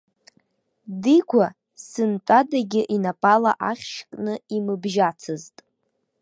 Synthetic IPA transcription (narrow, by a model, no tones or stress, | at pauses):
dikʷʰa | sɨntʼadaɡʲɪʔinapʼalaʔaχʲʃkʼnɨimɨbʒat͡sʰɨztʼ